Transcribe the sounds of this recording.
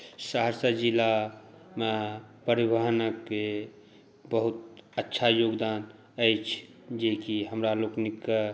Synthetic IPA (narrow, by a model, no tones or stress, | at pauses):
saɦəɾsəd͡ʒilamepəɾibəɦnəkːe | bəɦut̪̚ətːʃʰajoɡd̪aːn | əjt͡ʃʰd͡ʒekiɦəmɾaloknikːə